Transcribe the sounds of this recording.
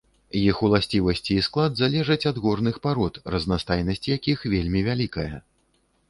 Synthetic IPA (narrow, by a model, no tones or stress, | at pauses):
jixulˠasʲt͡sʲivɐsʲt͡sʲiːsklˠad̪zalʲɛʐɐt͡sʲɐd̪ɣɔrnɨxpaɾɔt̪rɐznast̪ajnɐsʲt͡sʲjakʲixvʲelʲmʲivʲalʲikɐjɐ̰